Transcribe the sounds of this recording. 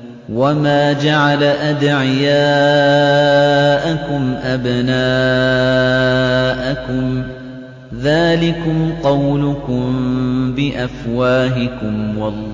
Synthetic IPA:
wamaːd͡ʒaʕalaʔad̪ʕɪjaː | ʔakʊmʔabnaː | ʔakʊm | ðaːlɪkʊmqɑwlʊkʊmbɪʔafwaːɦɪkʊmwɑl

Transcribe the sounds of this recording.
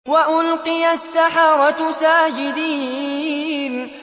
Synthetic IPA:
waʔʊlqɪjasːaħɑɾˤɑsaːd͡ʒɪd̪iː | n

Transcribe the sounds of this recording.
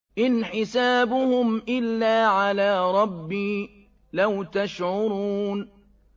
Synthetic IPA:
ʔɪnħɪsaːbʊhʊmʔɪlːaːʕalaːɾˤɑbːiː | lawt̪aʃʕʊɾˤuːn

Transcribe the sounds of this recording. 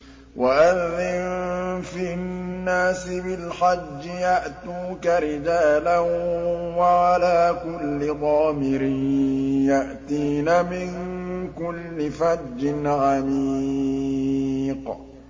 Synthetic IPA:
wʔaʔanðɪnfinːaːsɪbɪlħad͡ʒːɪjaʔt̪uːkaɾɪd͡ʒaːlanwaʕalaːkʊlːɪðˤɑːmɪɾɪjaʔt̪iːnamɪŋkʊlːɪfadːɪnʕami | q

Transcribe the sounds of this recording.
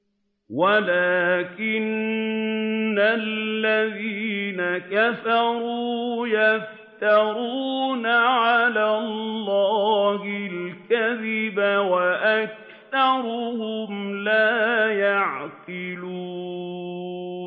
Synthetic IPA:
walaːkɪn | alːaðiːnakafɑɾuːjaf | t̪ɑɾuːnaʕalaːlːɑːhɪlkaðɪbawaʔak̚ | θɑɾˤʊhʊmlaːjaʕqɪluː

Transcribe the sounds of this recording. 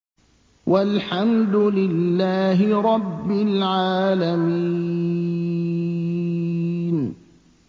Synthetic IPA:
wʔalħamd̪ʊlɪlːaːɦɪɾˤɑbːɪlʕaːlamiː | n

